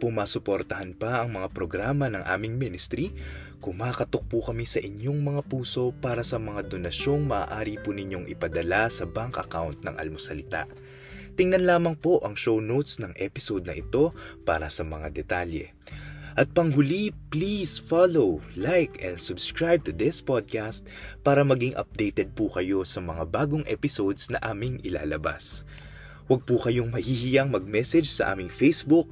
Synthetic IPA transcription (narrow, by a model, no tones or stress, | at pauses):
pʊmaːsʊpo̞ɾt̪ɐhɐnpɐʔɐŋmɐŋapɾo̞ɡɾaːmɐnɐŋʔa̰ːmɪŋminɪst̪ɾi | kʊŋmaːkɐt̪ok̚pukɐmisɐʔɪɲo̞ŋmɐŋapuːso̞paːɾɐsɐmɐŋad̪o̞nɐʃo̞ŋmɐʔa̰ːʔaːɾipunɪɲo̞ŋʔɪ̰pɐd̪ɐlasɐbaŋkɐkawnt̪̚nɐ̰ŋʔɐ̰lmosɐlɪt̪a̰ʔ | t̪ɪŋnɐnlaːmɐŋpo̞ʔɐŋʃownowt̪snɐŋʔɛpɪsod̪̚nɐʔɪt̪o̞pa̰ːɾɐsɐmɐŋad̪ɛt̪aljɛ̰ | ʔɐt̪̚pɐŋɦʊliplisfalowlajkɛ̰̃nd̪sʊbskɹajb̚t̪ʊd̪ɪspad̪̚kast̪̚ | paːɾɐmɐɡiŋʔɐ̰p̚d̪ɛjt̪ɛd̪̚pukɐjo̞sɐmɐŋabaːɡoŋʔɛ̰pɪsod̪snɐʔaːmɪŋʔɪla̰ːlɐba̰s | wɐɡ̚pukɐjo̞ŋmɐhihɪjɐŋmɐɡ̚mɛsɛd͡ʒsɐ̰ʔa̰ːmɪŋfejsbuk̚